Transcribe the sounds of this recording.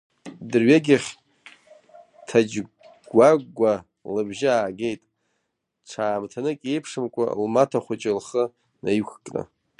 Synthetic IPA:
dɨrɥaɡʲɪχʲ | tʰad͡ʒ | ɡʷaɡʷːa | lɨbʒɪaːɡejtʼ | ʈ͡ʂʷʰaːmtʰanɨkʼe̞jpʰʂɨmkʷʼa̰lmatʰaχʷat͡ʃʼɪlχə | najkʷʰkʼra̰

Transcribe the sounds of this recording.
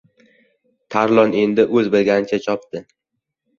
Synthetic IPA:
t̪ʰaɾlˠɒne̞nd̪ɪʔɵzbɪlɡʲanɪt͡ʃʰat͡ʃʰɒp̚t̪ɪ

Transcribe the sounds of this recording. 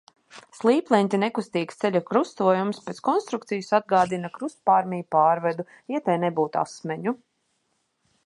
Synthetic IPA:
slˠiːplˠɛnʲt̪ʲinekust̪iːkst̪selʲukɾust̪uɔjumspet̪skɔnst̪ɾukt̪sijusad̪̚ɡaːd̪inakɾust̪̚paɾmʲijupaːɾvɛd̪u | jat̪ɛjnebuːt̪a̰smɛɲu

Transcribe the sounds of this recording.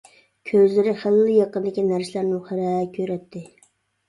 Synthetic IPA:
kʲʰøzlɪɾɪχəlːɨjɑqənd̪ɪkʲinæɾsɪlæɾnɪχəɾɛkʲʰøɾɛt̪ʰːɪ

